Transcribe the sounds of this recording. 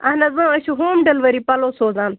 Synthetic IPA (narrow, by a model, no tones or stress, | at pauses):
ɐnɐzə̃əʃuɦoːmɖɐlʋəɾipɐloːsoːzãːn